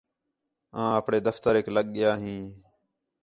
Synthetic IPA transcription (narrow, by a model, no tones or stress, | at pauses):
ãːəpɳeːd̪əft̪əɾekləɠɠɪjaːɦĩː